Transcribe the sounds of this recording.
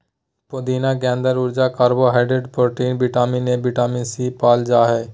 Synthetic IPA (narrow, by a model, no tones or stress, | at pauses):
pod̪iːnaɡɛ̃ːnd̪əɾʊɾd͡ʒaːkaːɾboɦaːɖeɖpoɾʈiːnbɪʈaːminebɪʈaːmisipaːld͡ʒaːɦɛː